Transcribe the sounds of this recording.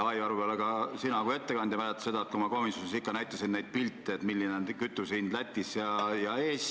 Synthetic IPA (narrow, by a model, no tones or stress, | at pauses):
ɑjɑɾubeɑleɡ̥ɑsinɑkue̞t̪ːe̞kɑnd̪jɑmæɾæt̪ːɑ̥se̞d̪ɑet̪kumɑkomisjonisikːɑnæjt̪ːˑɑsinnejd̪̥̚pilt̪ːˑeet̪milːinenkyt̪ːˑusinlæt̪ʲːˑisjɑjɑeːs